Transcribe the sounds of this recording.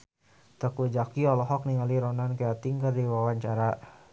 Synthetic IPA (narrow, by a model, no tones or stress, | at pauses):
t̪əkud͡ʒakiɔlɔɦɔk̚niŋaliɾɔnankəat̪iŋkərdiwawaɲt͡ʃaɾa